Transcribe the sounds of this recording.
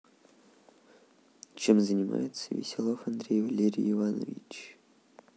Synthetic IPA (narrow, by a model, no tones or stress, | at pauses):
t͡ɕemzənʲima̰jɪt̪səvʲɪ̰sʲɪlˠofɐnd̪ɾʲejvɐlʲeɾʲiɪvanəvʲit͡ɕ